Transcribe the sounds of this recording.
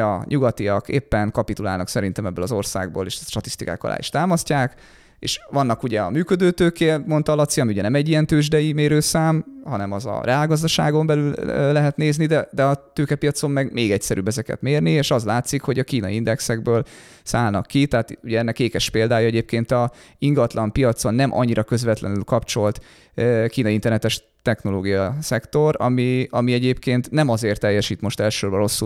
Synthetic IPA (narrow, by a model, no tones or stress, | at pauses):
ɒ̰ɲuɡɒt̪iɒkḛːpːɛnkɒpit̪ula̰ːlnɒksɛɾint̪ɛmɛbːøːlɒzo̞rsa̰ːɡ̚bo̰ːleːʃʃt̪ɒt̪i̥st̪ika̰ːkɒ̰lʔa̰ːḭʃt̪aːmɒscaːk | ḛːʃʋɒnːɒkuɟɛɒ̰myːkød̪øːt̪øːkeːmo̞nt̪ɒlɒt̪siɒmiuɟɛnɛmɛɟːijɛnt̪øːʒd̪ɛjimeːɾøːsaːmhɒnɛmɒzɒ̰rɛaːlɡɒzd̪ɒʃa̰ːɡo̞mbɛlylø̰lɛɦɛt̪neːznid̪ɛd̪ɛɒt̪øːkɛpijɒt̪so̞mːɛɡmeːɡɛcsɛɾʔy̰ːbːɛzɛkɛ̰t̪meːrnieːʃɒzlaːt̪sikho̞ɟɒkiːnɒind̪ɛksɛɡ̚bøːl | saːlnɒkːit̪ɛɦaːt̪uɟɛɛnːɛkeːkɛʃpeːld̪aːjɒɛɟeːp̚keːnt̪ɒ | iŋɡɒt̪lɒmpijɒt̪so̞nːɛmʔɒ̰ɲːiɾɒkø̞zʋɛt̪lɛ̰nylkɒpt͡ʃo̞lt̪ | kiːnɒint̪ɛrnɛt̪ɛʃ | t̪ɛxno̞loːɡijɒsɛkt̪o̞ɾɒ̰miɒmiɛɟeːpkeːnt̪nɛmɒzeːrt̪ːɛjːɛʃiːt̪mo̞ʃt̪ɛlʃːorbɒɾo̞sːu